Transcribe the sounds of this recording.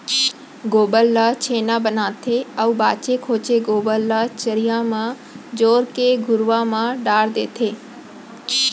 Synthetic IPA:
ɡoːbəlːət͡ɕʰeːnabənaːt̪ʰeɐubaːt͡ʃekʰoːt͡ʃeɡoːbəlːət͡ɕəɾijãmã | d͡ʑoːɾkeɡʱʊɾʋamãɖaːɽd̪ḛːt̪ʰeː

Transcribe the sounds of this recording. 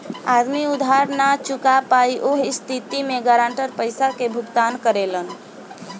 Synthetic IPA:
ad̪miud̪ʱaɾnat͡ʃukapaiʔoɦist̪ʰit̪imeɡəɾaɳʈəɾpəjsakebʱukt̪ankəɾelən

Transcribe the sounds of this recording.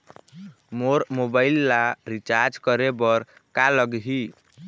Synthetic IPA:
moɾmobailːaɾit͡ʃaɾd͡ʒkəɾebəɾ | kaləɡɦi

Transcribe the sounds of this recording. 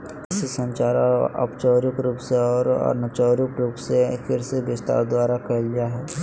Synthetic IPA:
sisɐ̃ɲt͡ʃaːɾɐ̰pt͡ʃɔːɾʊkɾuːpseɔːɾɔ̰ːɾnət͡ʃɔːɾjukɾuːpsefɪɾsebɪst̪a̰ːɾd̪waːɾakɐllijaɦɛː

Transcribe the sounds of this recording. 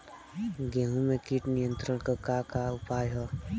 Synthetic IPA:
ɡãɦũmẽkiʈnɪjə̃nt̪ɾəɽ̃kəkakaʊpaːjɦɔ

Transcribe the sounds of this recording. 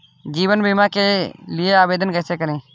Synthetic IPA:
d͡ʒiːʋənbimakelijeaːbeːd̪ənkəːsekəɾẽː

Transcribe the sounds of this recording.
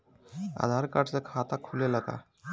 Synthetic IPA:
a̰d̪ʱaɾkaʈsekʰat̪akʰulelaka̰

